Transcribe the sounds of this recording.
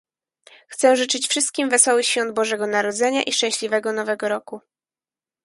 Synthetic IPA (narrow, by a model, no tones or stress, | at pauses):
xt̪sɛʐɘt͡ʂɘt͡ɕfʂɘst̪̚kʲimvɛsɔwɘɕfʲɔnd̪̚bɔʐɛɡɔnaɾɔd̪zɛɲa̰ʔiʂt͡ʂɛ̃w̃ɕlʲivɛɡɔnɔvɛɡɔɾɔku